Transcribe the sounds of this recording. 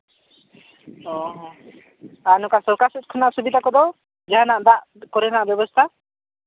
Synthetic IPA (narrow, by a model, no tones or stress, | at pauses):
ɔɦɔ | anukast̪ɔkasɔt̪̚kʰunaʔsubid̪akɔd̪ɔ | d͡ʒaɦanaʔd̪aʔ | kɔɾɛnaʔbjɔbɔst̪ʰa